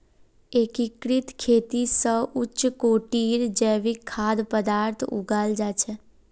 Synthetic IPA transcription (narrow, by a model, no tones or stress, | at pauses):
ekikɽit̪kʰet̪isəʊt͡ʃːkoʈiɾd͡ʒeʋikʰːad̪pəd̪aɾt̪ʰṵɡald͡ʒat͡ʃʰe